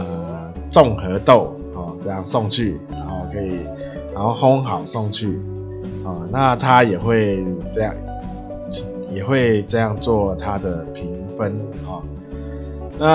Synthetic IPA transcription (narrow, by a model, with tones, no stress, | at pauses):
ə˨ | t͡sʊ˥˩ŋxɤ˧˥t̪o˥˩ʊ | hɔ˥˨˩ʈ͡ʂɤ˥˧jɑ˥˨ŋsʊ˥˧ŋt͡ɕʰy˥˩ɻa˧˥nxo˥˩ʊkʰɤ˧˥i˨˩ | ɻa˧˥nho˥˩ʊxʊ˥ŋxɑ˨˩ʊsʊ˥˧ŋt͡ɕʰy˥˩ | hɔ˥˨˩na˥˨t̪ʰa˦jɛ˨˩xwe˥˩ɪʈ͡ʂɤ˥˧jɑ˥˩ŋ˨ | jɛ˨˩xwe˥˧ɪt͡sɤ˥˧jɑ˥˧ŋt͡swɔ˥˧t̪ʰa˦d̪ə˨˩pʰi˨˥ŋ | fə˦˥n | hɔ˥˩ | na˥˨